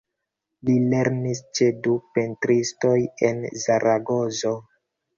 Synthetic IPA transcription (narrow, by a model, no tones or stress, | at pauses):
lile̞ɾnist͡ʃe̞dupentɾisto̞jḛnzaɾʔaɡo̞zo̞